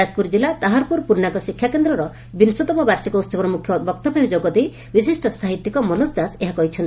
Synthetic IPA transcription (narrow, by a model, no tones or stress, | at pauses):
aspuɾd͡ʒilat̪aɦaɾpuɾpuɾɳak̪ɔsikʰjakend̪ɾɔɾɔ | binsɔt̪ɔpɔbaɾsikɔut̪sɔbɔɾɔmukʰjɔbɔk̚t̪ɔbʱamid͡ʒoɡɔd̪ej | bis̬isʈɔsaɦit̪jikɔmɔnɔsd̪aseɦakɔɦit͡ʃʰɔnt̪